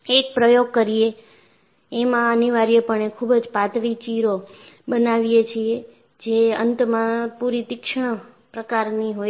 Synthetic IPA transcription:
ek̚pɾəjoɡ̚kəɾie | emãəniʋaɾijəpəɳekʰubd͡ʒpat̪ʋit͡ʃiɾo | bənaʋijet͡ʃʰie | d͡ʒeə̰nt̪mãpuɾit̪ɪkʃɳ̃ə | pɾəkaɾniɦo

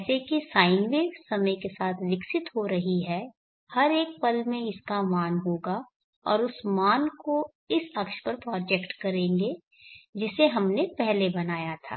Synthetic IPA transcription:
sekisaːɪnʋeːɾsɐməjkesaːt̪ʰʋɪksɪt̪ɦoɾɐɦiɦɛ | hɐɾeːk̚pɐlmẽɪskamaːnɦoːɡa | ɔ̰ːɾʊsmaːnko | ɪsɐkʃpɐɾpɾɔːd͡ʒɛkʈkɐɾẽːɡe | d͡ʒɪseɦɐmnepɛɦlebɐnaːjat̪ʰa̰ː

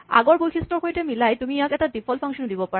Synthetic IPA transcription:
a̰ɡɔɹbojxʰistɔɹxojtɛmilajtumijakɛtadipʰɔlpʰaŋsɔndibɔpaɹ

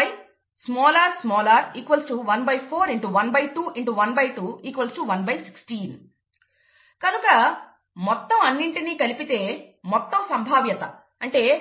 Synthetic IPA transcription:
j | smɔːlaːɾsmɔːlaːɾiːkʋɐlsʈuʋɐnbɐjpʰoːɾiɳʈuʋɐnbɐjʈuːʔiɳʈuʋɐnbɐjʈuːiːkʋɐlsʈuʋɐnbɐjsi̥ksʈiːn | kɐnukɐ | mɔt̪ːɐmɐnːiɳʈiniːkɐlipit̪e̞ːmɔt̪ːɐmsɐmbʱaːʋjɐt̪ɐ | ɐɳʈe̞ː

